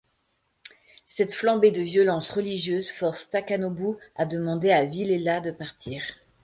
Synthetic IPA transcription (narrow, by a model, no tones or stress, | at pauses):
sɛt̪flɑ̃bed̪əvjɔlɑ̃sʁəliʒjøzfɔʁst̪akanobuad̪əmɑ̃d̪eavilelad̪əpaʁt̪ʰiːʁ